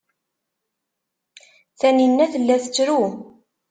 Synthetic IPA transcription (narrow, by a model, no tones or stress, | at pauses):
θæninːæθəlːæθət͡sːɾu